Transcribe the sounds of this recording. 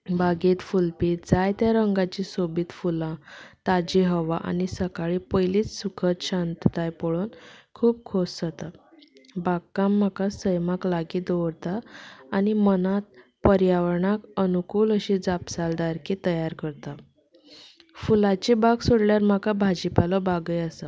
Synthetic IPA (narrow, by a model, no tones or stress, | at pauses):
baɡiːt̪fulpiːt̪d͡zajt̪jaɾəŋɡat͡ɕisobiːt̪fulãt̪ad͡ʑiɦəʋaʔa̰nisəkaɭipəjliːt͡ssukʰət̪ɕant̪t̪ajpɔɭonkʰuːb̚kʰossət̪a | baɡkːamːakasəjmaklaɡiːd̪oʋɾt̪aːnimənat̪̚pəɾjaʋəɾɳakənukuːləɕid͡zapsald̪aɾkit̪əjaɾkəɾt̪a | fulat͡ɕibaɡsoɽljaɾm̤akabʱad͡ʑipalɔbaɡəjasa